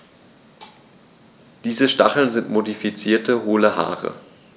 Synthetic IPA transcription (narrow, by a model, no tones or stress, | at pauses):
d̥iːzəʃta̰χl̩nzɪntmodifit͡siːɐtəɦoːləha̰ːʁə̰